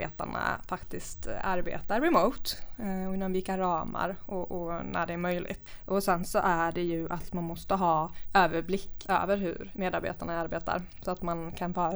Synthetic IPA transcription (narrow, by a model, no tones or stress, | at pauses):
ḛːt̪a̰ɳa̰fakt̪ɪst̪aɾbḛːt̪aɾːɛmoːt̪ɔɪnːɔmvɪkaɾɑːma̰ɾʔɔʔɔnæ̰ɖɛæɾmœjlʔɪ̰ɡt̪ʔɔsɛnsɔʔæɖɛjɵʔat̪manmɔst̪əɦɑːøːvəɾblɪkːø̰ːvəɾɦɵ̰ɾmeːd̪aɾbḛːt̪aɳaaɾbeːt̪a̰ɾ | sɔat̪mankʰanfœː